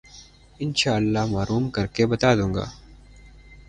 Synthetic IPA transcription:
ɪnʃaːəlːaɦmaːɾuːmkɐɾkebɐt̪aːd̪ũːŋɡa̰ː

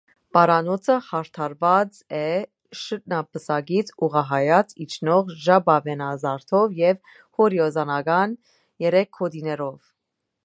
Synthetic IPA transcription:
pɑɾɑnɔt͡sʰəhɑɾt̪ʰɑɾvɑt͡s | ɛ | ʃət̪̚nɑpəsɑɡit͡sʰuʁɑɦɑjɑt͡sʰit͡ʃʰnɔʁʒɑbɑvɛnɑzɑɾt̪ʰɔvjɛv | hɔɾiɔzɑnɑɡɑn | jɛɾɛkʰːɔd̪inɛɾɔv

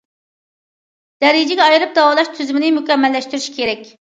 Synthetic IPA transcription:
d̪̥ɛɾid͡ʒɪɡʲɛɑjɨɾɨp̚d̪ɑwɑlˠɑʃt̪ʰyzymɪnɪmykʲɛmːɛlːɛʃt̪yɾyʃkʲʰeɾɛkʲ

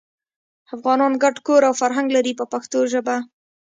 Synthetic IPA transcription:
afɣɑnɑnɡaɖkoɾawfaɾɦaŋɡlaɾipəpaxt̪oʒəba

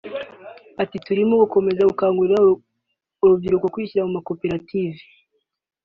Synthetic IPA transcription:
atituɾimoɡuko̞me̞zaɡukaːŋɡuɾa | oɾuvjiɾukokwiːciɾamumako̞pe̞ɾativi̥

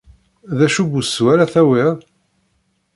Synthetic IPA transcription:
ðæʃuɡuswæɾaθæwiðˤ

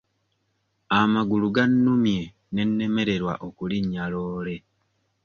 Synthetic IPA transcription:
amaɡuluɡanːumje̞ | ne̞nːe̞me̞ɾe̞ɾwa̰ʔokuliɲːaloːle̞

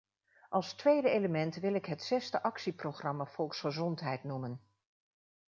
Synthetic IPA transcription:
ʔɑlˠstʋejdəejləmɛntʋɪlɪkɦətsɛstəʔɑksiprowχrɑmafɔlˠksχəzɔntɦɛjtnumən

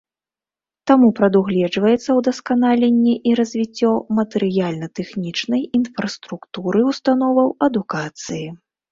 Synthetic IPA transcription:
t̪amupɾɐd̪uɣlʲɛd͡ʐvɐjɛt̪sːɐwd̪ɐskanalʲenʲːiʔiɾɐzʲvʲit͡sʲːɔmɐt̪ɛɾɨjalʲnɐt̪ɛxnʲit͡ʂnɐjinfɾɐst̪ɾukt̪uɾɨwst̪an̪ɔvɐwɐd̪ukat̪sɨji

